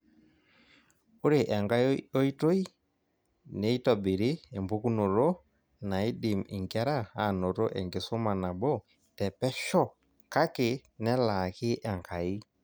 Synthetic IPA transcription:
u˦ɾe˨ʔɛ˨ŋɡa˦ɔ˦i˦to˦i˦ | ne˨i˦tɔ˨bi˨ɾi˦ɛ˨mbu˦ku˦no˨ɾo˦ | na˨i˦di˨mḭ˨ŋɡa˦ɾa˦a˨no˨ɾɔ˦ʔɛ˨ŋɡe˨so˦ma˨na˨bɔ˦ | tɛ˨pɛ˦ʃɔ˦ | ka˦kɪ˨nɛ˦la˨ki˦ʔɛ˨ŋka˨i˦

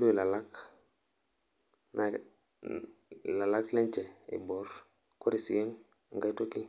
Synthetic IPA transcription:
du˦i˨la˨la˦k | na | la˨la˦klɛ˦ɲt͡ʃɛ˨ḭ˨bɔ˨ɾ | ko˦ɾi˨sḭ˨ji˦ŋ | ŋɡa˦jto˦ki˦

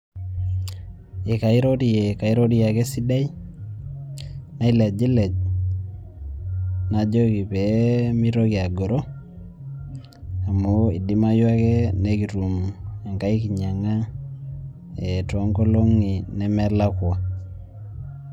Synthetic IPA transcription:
i˨ka˨i˦ɾo˦ɾi˨je˨ka˨iɾo˦ɾi˦ja˨kɛ˦si˦da˦i˦ | na˨i˦le˨d͡ʒi˦lɛ˨d͡ʒ | nad͡ʒo˦ki˨pemi˦ɾo˦kia˨ɡo˨ɾo˦ | a˨mo˦i˨di˦ma˦jwa˦kɛ˦neki˨ɾu˨ma˨ŋɡa˦iki˨ɲa˨ŋa˦ | e˨to˦ŋɡo˦lo˦ŋi˨nɛmɛ˦la˦kwa˨

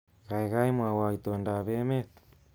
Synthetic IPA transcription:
ɣa˨iɣa˦mwa˨wait̪ɔnda˨βɛ˦mɛ˦t̪

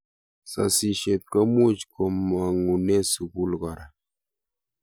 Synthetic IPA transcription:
sa̰˨si˨ʃe˨p̚kə˦mu˦˨t͡ʃko˨mːa˨ŋu˨ne˦su˨bu˦lɡa˨ɾa˨

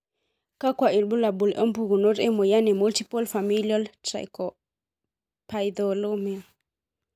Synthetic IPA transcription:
ka˦kwa˨i˨lɓu˦la˨bu˨lʔɔ˦mbu˦ɡu˨no˦ɾe˦mo˨ja˦ne˨mu˦lti˦pɔ˦lfa˨mi˦lialta̰˨jkɔ | pajdolo˦mi˨l

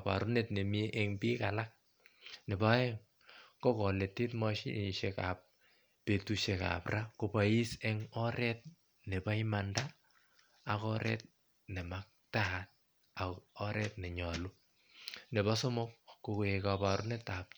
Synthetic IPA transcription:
pa̰˨ɾu˦ne˦tne˨mi˦ʔe˦ŋbi˦kalak̚ | ne˨bɔ˦ɛ˦ŋ | kɔ˦kɔ˨le˨ti˦tmɔ˦ʃḭ˦ʃeka̰p̚ː | e˨tuʃe˨ka̰˨pra˦ko˨pa˨i˦sɛ˦ŋɔ˦ɾɛ˦t̚ | ne˨ba˦i˦mandaː˦˨ | kɔ˦ɾɛ̰˦t̚ | nɛ˨ma˦k̚tat̚ | a˨kɔ˦ɾʔɛ˦tnɛ˨ɲɔ˨lu˦ | ne˨bɔ˦so˦mo˦k̚kukekapa˨ɾṵ˦netap̚

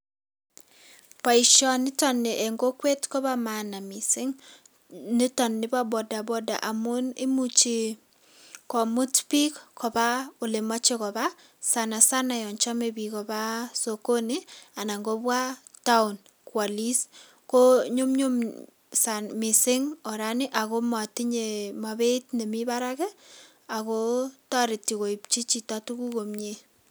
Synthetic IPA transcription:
pa˨i˨ʃɔ˨nɪ˦tɔ˨nːɪ˨ʔɛ˨ŋɡo˦kwe˦tkɔ˦βa˦ma˨na˨mɪ˨sɪ˦ŋ | nɪ˦tɔ˨nːɪ˦ba˦bɔ˨da˨bɔ˨da̰˨ʔa˨mʊ˦nɪ˦mut͡ʃi˨ | kɔ˨mʊ˦tpi˦kkʰɔ˨ba˦o˨lɪ˨mɔ˦t͡ʃɪ˦kɔ˨βa˦ | sa˨na˨sa˦na˨jɔ˨ɲt͡ʃɔ˦me˨bi˨kɔ˨ba˦soko˦nia˨na˨ŋɡo˦bwa˦ | ta˦ʊ˨n | kwa˨li˦s | ko˦ɲʊ˦mɲʊ˦m | sanmɪ˨sɪ˦ŋɔ˨ɾa˦nɪ˦ʔa˨ko˦ma˨tiɲe˨ma˨be˦tne˨mi˦baɾakɛ | a˨ko˦ta˦ɾi˨ti˨ko˨i˨pt͡ʃi˦t͡ʃi˦ta˦tu˦ku˦ko˨mɲe˦

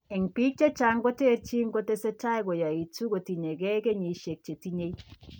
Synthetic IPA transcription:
ɛ˨ŋpi˦k̚t͡ʃe˦t͡ʃa˦ŋɡo˦te˦ɾt͡ʃi˦ŋɡo˦te˦sɛ˦ta˦jkɔ˨ja˨i˨tu˦ko˨ti˨ɲe˨ɡɛ˦ke˦ɲi˨ʃe˨k̚t͡ʃe˨ti˦ɲe˦i˦

